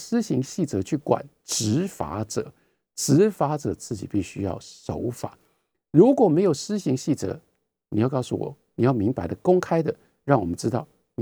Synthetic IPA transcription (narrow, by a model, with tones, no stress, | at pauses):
sɹ̩˥ɕi˧˥ŋɕi˥˩t͡sɤ˧˥t͡ɕʰy˥˩kwa̰˨˩˦n | ʈ͡ʂɻ̩˧˥fa̰˧˥ʈ͡ʂɤ̰˨˩˦ | ʈ͡ʂɻ̩˧˥fa˧˥ʈ͡ʂɤ̰˨˩˦t͡sʰɹ̩˥˩t͡ɕḭ˨˩pi˥˩ɕy˥jɑ̰˥˩ʊʂo˧˥ʊfa̰˨˩˦ | ɻu˧˥kwɔ˨˩me˧˥ɪjo˨˩ʊsɹ̩˥ɕi˧˥ŋɕi˥˩t͡sɤ̰˧˥ | ni˨˩jɑ˥˧ʊkɑ˥˧ʊsṵ˥˨˩wɔ̰˨˩˦ni˨˩jɑ˥˩ʊmi˧˥ŋpa˧˥ɪd̪ə˨kʊ˥ŋkʰa˥ɪd̪ə˨ | ɻɑ˥˩ŋwɔ˨˩mə˦nʈ͡ʂɻ̩˥t̪ɑ˥˩ʊ | n˨